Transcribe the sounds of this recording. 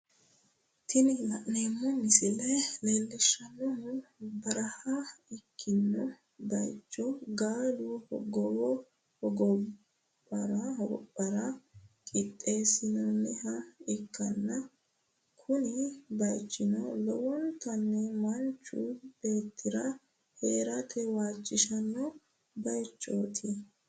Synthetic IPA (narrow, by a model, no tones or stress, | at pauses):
t̪ʰɪnɪnɐʔːeːmːɔmɪsɪlɛleːlːɛʃːɐnːɔhʊbɐɾɐhɐɪkʰːɪnːɔ | bɐjt͡ʃːɔɡaːluhɔɡɔwɔ | hɔɡɔ | pːɐɾɐwɔ̰pʼːɐɾɐkʼɪt̪ʼːe̞ːsɪnɔnːɛhɐɪkːɐnːɐ | kʰʊnɪbɐjt͡ʃʼːɪnɔlɔwɔnt̪ɐnːɛmɐnt͡ʃːṵb̥e̞ːt̪ːɪɾɐ | heːɾɐt̪ʰɛwaːt͡ʃʼːɪʃɐnːɔ | bɐjt͡ʃʼːo̰ːt̪ʰɪ